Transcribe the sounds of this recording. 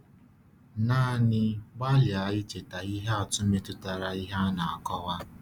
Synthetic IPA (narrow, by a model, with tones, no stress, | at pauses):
naː˦˨nɪ˦ɡ͡ba˦lja˨ɪ˦t͡ʃe˨ta˨i˦ɦa˦a˨tʊ˦me˦tʊ˦ta˨ɾa˨i˦ɦa˦na˨a˨kɔ˦ɣa˦